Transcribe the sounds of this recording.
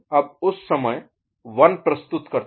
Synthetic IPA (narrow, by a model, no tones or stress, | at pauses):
ɐb̚ʊsːɐməj | ʋɐnpɾɐst̪ʊt̪kɐɾt̪